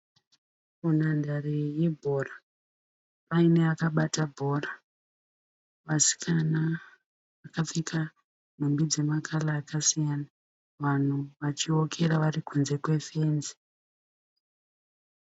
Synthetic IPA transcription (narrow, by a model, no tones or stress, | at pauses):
munandarijebʱora | paine̞akaɓatabʱo̞ra | ʋasi̥kʰana | ʋakafikʰa | n̤umbid͡ze̞makʰalaːkasijana | ʋan̤uʋat͡ʃio̞kʰe̞ɾaʋarikʰunze̞kwe̞feːnzi̥